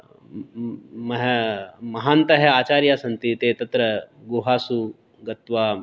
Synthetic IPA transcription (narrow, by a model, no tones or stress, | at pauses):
mɐɦmɐɦaːnt̪ɐɦeaːt͡ɕaːɾjaːsɐnt̪it̪eːt̪ɐt̪ɾɐɡoɦaːsu | ɡɐt̪ʋaː